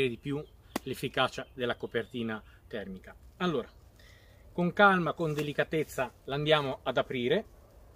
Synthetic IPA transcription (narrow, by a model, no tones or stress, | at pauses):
ɾed̪ipju | lefːikaːt͡ʃad̪elːakopert̪iːnat̪ɛrmikaalːoːɾa | koŋkalmakond̪elikat̪et̪sːaland̪jaːmoad̪apɾiːɾe